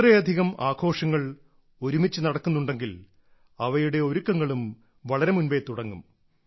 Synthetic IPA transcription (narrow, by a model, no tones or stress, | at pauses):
rɐjɐd̪ʱiɣɐmaːɡʰo̞ːʂɐŋːɐɭ | o̞ɾumit͡ɕːɨnɐɽɐkːunːuɳɖe̞ŋɡil | ɐʋɐjuɽe̞o̞ɾukːɐŋːɐɭum | ʋɐɭɐɾe̞munʋet̪uɽɐŋːum